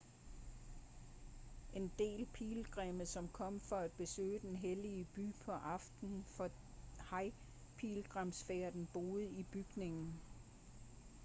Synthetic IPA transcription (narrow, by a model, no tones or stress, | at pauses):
ʔe̝nd̥e̝̰ːlpʰiːlɡ̥ʁɛməð̩ˠsɒ̽mkʰɒ̽m̰fɒ̽æd̥̚b̥e̝sø̰ːəd̥enɦeliəb̥y̰ːpʰɒ̽ʔɑ̈fd̥n̩fɒ̽ | hɑ̈ɪ | pʰiːlɡ̥ʁɑmsfeɐd̥n̩b̥o̝ːð̩ˠib̥yɡ̥ne̝ŋn̩